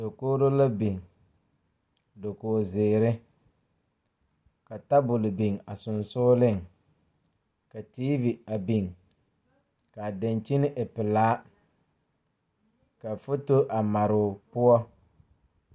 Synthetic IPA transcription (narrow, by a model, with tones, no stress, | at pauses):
do˨koː˦ɾo˦la˦bi˨ŋ | do˨koː˨zɪː˨ɾɪ˦ | ka˨ta˦bʊ˨lɪ˨bi˨ŋa˨sʊ˨nsʊː˦lɪ˦ŋ | ka˨tiː˦vi˨a˨bi˨ŋ | ka˨da˨nt͡ʃi˦nɪ˦ʔɪ˨pɪ˨laː˦ | ka˨fʊ˦to˦ʔa˨ma˨ɾʊ˨pʊ˦ɔ˦